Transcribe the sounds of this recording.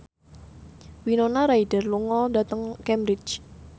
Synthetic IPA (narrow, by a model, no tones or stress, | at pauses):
winonaɾaid̥ərluŋɔndat̪əŋkɛmbɾɪt͡ʃ